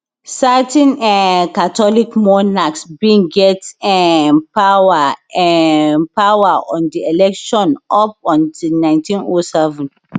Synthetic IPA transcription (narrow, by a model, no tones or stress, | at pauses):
satɛ̃nɛkatɔlikmɔnaksbĩŋɡɛtɛpawaɛpawaɔ̃ndielɛkʃɔ̃nɔp̚ɔ̃ndinãɪ̃ntĩnosɛvɛ̃n